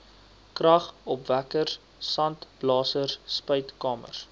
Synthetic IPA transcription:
krɐχɔpvækər | sɐntb̥lɑːsərspəɥtkɑːmə̰r

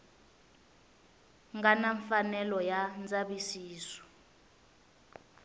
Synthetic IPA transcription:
ŋɡanaɱfanɛlɔjand͡zaɓisiːsɔ̥

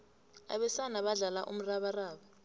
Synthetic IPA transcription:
a̰ɓɛsanaɓaɮalaʔṵm̩raɓaraːɓa

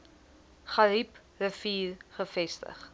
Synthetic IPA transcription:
χɐɾip | rəfiːrχəfɛstə̰χ

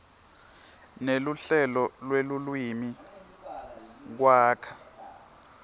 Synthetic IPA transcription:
neluɬɛlɔlwelulwimi | k̬waːkʰḁ

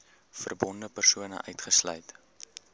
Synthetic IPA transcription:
fə̰rbɔndəpərsuənə̰ʔœɥtχəslœ̰jt

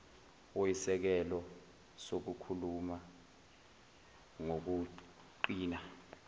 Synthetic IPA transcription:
oisɛk̬ɛlɔ | sok̬ukʰuluma | ŋok̬u | ǃiːna

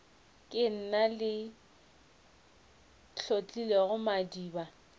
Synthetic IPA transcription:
kʼɪn̩nalɪ | ɬot͡ɬʼileɣʊmadiːba

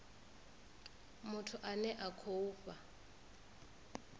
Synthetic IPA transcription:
mʊtʰʊʔanɛʔakʰouːpʼa

